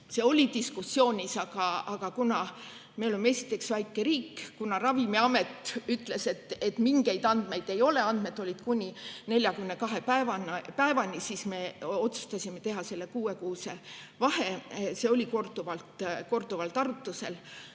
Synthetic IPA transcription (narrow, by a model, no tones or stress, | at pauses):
se̞o̞lʲit̪iskusːjo̞ːnʲisɑɡ̥ɑɑɡ̥ɑkunɑ | me̞olemːee̞sʲi̥t̪ːˑe̞ksvæjkːˑe̞ɾiːkːkunɑrɑvimiɑme̞t̪ːˑyt̪ˑle̞se̞t̪ːe̞t̪miŋɡ̥e̞jd̪ɑnd̪̥me̞jd̪̥e̞jo̞le̞ɑnd̪̥me̞t̪ːˑo̞lʲid̪̥kunʲine̞lʲjɑkymne̞kɑɦepæevɑnɑpæevɑnisisme̞o̞t̪su̥st̪ɑsʲime̞t̪e̞ɦɑse̞lːekuːe̞kuːse̞ | vɑhe̞se̞o̞lʲiko̞rd̪uvɑlt̪ko̞rd̪̥uvɑlt̪ɑrut̪ːˑuse̞l